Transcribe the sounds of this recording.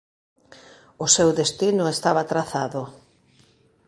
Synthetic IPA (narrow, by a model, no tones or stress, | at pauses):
ʊsewðest̪inʊest̪aβat̪ɾaθaðʊ